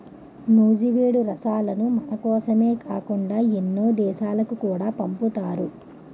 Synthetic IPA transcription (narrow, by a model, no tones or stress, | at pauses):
nuːd͡ʒiʋeːɽuɾɐsaːlɐnumɐnɐkɔːsɐme̞ːkaːkuɳɖaːenːoːd̪ɛːʃaːlɐkukuːɽaːpɐmput̪aːɾu